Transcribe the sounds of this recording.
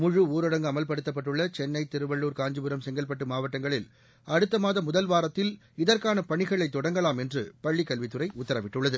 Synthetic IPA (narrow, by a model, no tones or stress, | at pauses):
mʊɻɯuːɾɐɽɐŋɡɯɐmɐlpɐɽɯt̪ːɐp̬ːɐʈːɯɭːɐt͡ʃɛnːɐɪt̪ɪɾɯʋɐɭːuːɾkaːɲd͡ʒɯbɯɾɐmsɛŋɡɐlp̬ɐʈːɯmaːʋɐʈːɐŋɡɐɭɪl | ɐɽɯt̪ːɐmaːðɐmʊðɐlʋaːɾɐt̪ːɪl | ɪðɐrkaːnɐpɐɳɪɣɐɭɐɪt̪ːɔɽɐŋɡɐɭaːmɛndrɯpɐɭːikːɐlʋɪt̪ːɯɾɐɪʔʊt̪ːɐɾɐʋɪʈːɯɭːɐðɯ